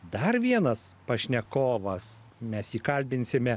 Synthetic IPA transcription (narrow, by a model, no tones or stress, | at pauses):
d̪ɐɾʋʲiɛnɐspɐʃʲnʲɛkoːʋɐs | mʲɛsiːkɐlʲbʲɪnʲsʲɪmʲɛ